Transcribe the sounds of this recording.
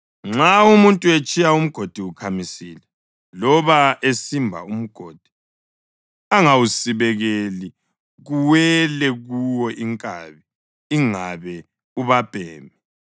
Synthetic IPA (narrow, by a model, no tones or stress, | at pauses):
ŋ͡ǁaumuntʼuet͡ʃʼijaum̩ɡ̥ʱod̥ʱiukʰamisilɛ | lɔβaesimbʱa̰um̩ɡ̥ʱoːd̥ʱi̥ | aŋawusiβɛɣeli | ɣuwɛlɛɣuwɔʔiŋkʼa̰ːβiː | ŋaβɛ | uβab̥ʱɛːmɛ